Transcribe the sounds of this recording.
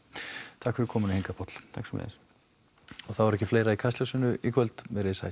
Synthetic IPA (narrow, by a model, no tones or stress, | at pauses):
t̪ʰahkfɪɾɪkʰɔːmʏnɪheŋkapʰɔt̪l̥t̪ʰaksɔmlḛːðɾ | ɔθawvaɾɛhcːɪfleːjɾaikʰast̪lɛsʏnʏikʰvœlt̪mɛɾesa̰j